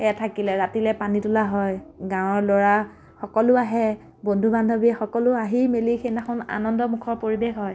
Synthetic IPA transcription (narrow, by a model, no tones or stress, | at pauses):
ɛtʰakilɛɹatilɛpanitulaɦɔjɡãw̃ɔɹlɔɹa | xɔkɔlʊaɦɛ | bondʱubandʱɔbiɛxɔkɔlʊaɦimelixʰenaxʰʊna̰nɔndɔmukʰɔɹpoɹibexɦɔj